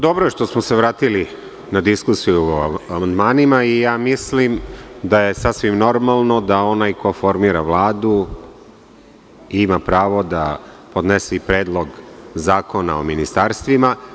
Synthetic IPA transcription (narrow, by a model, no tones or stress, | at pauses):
d̪o̞bɾoeʂt̪o̞smoseʋɾaːt̪ili | nad̪iskusijuamand̪maːnimaijaːmislimd̪ajesasʋimno̞ɾmalˠno̞d̪ao̞najkofo̞ɾmiːɾaʋlˠaːd̪u | imapɾaːʋo̞d̪a | pod̪nesipɾeːd̪lˠo̞ɡzaːko̞nao̰minist̪aːɾst̪ʋima